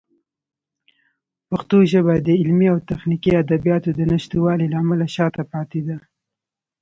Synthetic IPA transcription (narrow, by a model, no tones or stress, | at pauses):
paxt̪oʒəbad̪əɪlmiawt̪axnikiad̪abijɑt̪od̪ənaʃt̪iwɑlilaːmalaʃɑt̪apɑt̪ed̪a